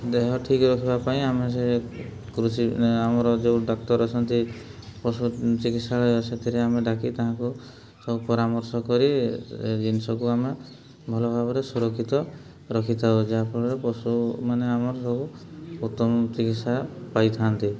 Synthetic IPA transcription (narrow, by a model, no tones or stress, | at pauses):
d̪eɦɔʈʰikɾɔkʰibapaĩamesekɾusiamɔɾɔd͡ʒewɖɔk̚t̪ɔɾɔt͡ʃʰɔnt̪ipɔsut͡ʃikit̪saɦɔjɔset̪ʰiɾeameɖakit̪aɦãku | sɔbupɔɾamɔɾsɔkɔɾid͡ʒinsɔbuame | bʱɔlɔbʱabɔɾesuɾɔkʰːit̪ɔ | ɾɔkʰit̪ʰaod͡ʒaɦapɔɾɔɾepɔsumaneamɔɾɔsɔbuut̪ːɔmɔt͡ʃikit̪sapajt̪ʰant̪i